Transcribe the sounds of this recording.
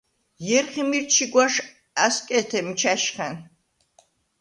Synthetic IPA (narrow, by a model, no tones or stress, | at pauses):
jɛɾχimiɾt͡ʃʰiɡwaʃ | askʼɛt̪ʰɛmt͡ʃʰaʃχɛn